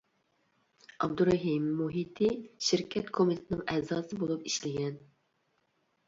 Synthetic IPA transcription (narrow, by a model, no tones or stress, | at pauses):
ʔɑ̰b̚d̪uɾɑɦimːuɦit̪ʰɪʃɪɾkʲʰɛt̪kʰomit̪ʰɪ̥t̪ʰɪnɨɪŋɛzɑːsɨbolˠupiʃlɪɡʲɛn